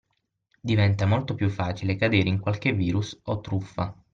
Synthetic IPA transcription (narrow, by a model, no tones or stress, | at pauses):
d̪ivɛnt̪amolt̪opjufːaːt͡ʃilekad̪eːɾeiŋkwalk̟evːiːɾusot̪ːɾufːa